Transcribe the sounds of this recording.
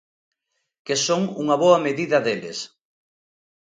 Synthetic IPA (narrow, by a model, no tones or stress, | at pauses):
kesoŋṵŋɐβoɐmeðiðɐðelɪ̰s